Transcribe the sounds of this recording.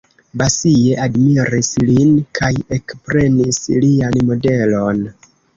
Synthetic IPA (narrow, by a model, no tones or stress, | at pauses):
basie̞admiɾislinkʰaje̞kpɾe̞nislianmo̞de̞lo̞n